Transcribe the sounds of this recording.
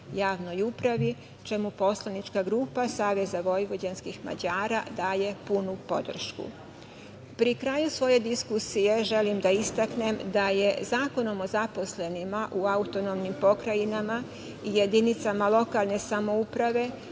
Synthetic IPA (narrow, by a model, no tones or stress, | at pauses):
jaːʋno̞jupɾaʋi | t͡ʃemupo̞slˠanit͡ʃkaɡɾuːpasaːʋe̞zaʋo̞jʋo̞d͡ʑanskixma̰d͡ʑaːɾad̪aːje̞punupo̞̰d̪r̩ʃkṵ | pɾikɾajusʋo̞je̞d̪iskusije̞ʒe̞limd̪aist̪akne̞md̪aje̞zaːko̞no̞mo̞zapo̞sle̞nimaʔuaut̪o̞nomnimpo̞kɾajinama | ijed̪init̪samalo̞kalˠne̞samo̞upɾaʋe̞